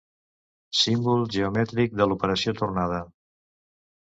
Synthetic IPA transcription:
simbulˠʒəumɛt̪ɾik̚d̪əlupəɾəsiot̪urnað̞ə

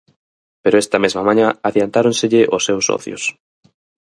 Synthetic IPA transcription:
peɾoɛst̪ɐmezmɐmãɲãaðjant̪aɾonseʎɪʔosːɛwsːɔ̰θjʊ̰s

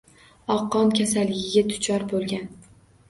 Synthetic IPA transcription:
ɒqːɒnkʲʰasalːɪɡʲɪɡʲat̪ʰʊ̥t͡ʃʰɒɾbolˠɡʲan

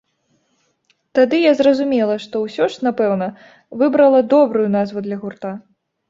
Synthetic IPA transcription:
t̪ad̪ɨjazrɐzumʲɛlˠɐʂt̪ɔwsʲɔʂnapɛwnɐ | vɨbɾɐlˠɐd̪ɔbɾujun̪azvud̪lʲɐɣurt̪a

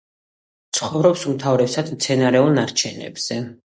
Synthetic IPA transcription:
t̪sʰχɔvɾɔpsumt̪ʰavɾɛpsad̪mt̪sʰɛnaɾɛulˠnaɾt͡ʃʰɛnɛ̰bz̥ɛ

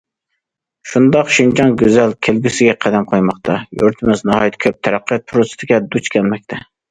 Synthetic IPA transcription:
ʃund̪ɑqʃind͡ʒɑŋɡʲøzɛlkʲʰelɡʲysɪɡʲɛqʰæd̪ɛmqʰojmɑqt̪ʰɑjoɾt̪ʰɪmɪznɑhɑjit̪ʰkʰʲøp̚t̪ʰɛɾæqːijɑt̪̚pʰɾosɪ̥t̪ʰɪkʲɛd̪ut͡ʃkʲʰɛlmɛk̚ʲt̪ʰɛ

